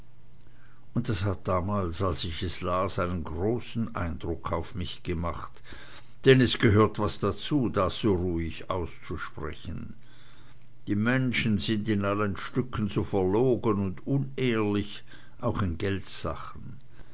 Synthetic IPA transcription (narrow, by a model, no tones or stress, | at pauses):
ʔʊntd̥ashat̚d̥aːmaːlsalsɪçɛslaːsaɪnənɡʁoːsn̩ʔa̰ɪnd̥ʁʊkʰaʊfmɪçɡ̥əmaχt | d̥ɛnɛsɡ̥əɦøːɐtv̥asd̥at͡suːdaz̥oːʁuːɪça̰ʊst͡suʃpʁ̥ɛ̰çən | d̥iːmɛnʃn̩zɪndɪnalənʃtʏkʰən̩zoːfɛɐloːɡənʊndʊneːɐlɪç | ʔaʊxɪnɡɛltz̥a̰χən̩